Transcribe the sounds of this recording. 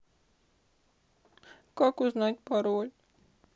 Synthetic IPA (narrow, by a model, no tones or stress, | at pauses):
kɒkuznɒɟpɒɾoːl